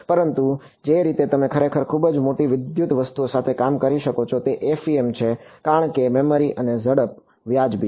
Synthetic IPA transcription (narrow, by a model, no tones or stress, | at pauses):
pəɾənt̪u | d͡ʒeɾit̪et̪əmẽkʰəɾekʰəɾkʰubd͡ʒmoʈiʋɪd̪jut̪ʋəst̪uosat̪ʰekamkəɾiʃəkot͡ʃʰot̪eʔefiemt͡ʃʰekaɾəɳkemɛməɾiʔənezəɽəp̚ | ʋjad͡ʒbi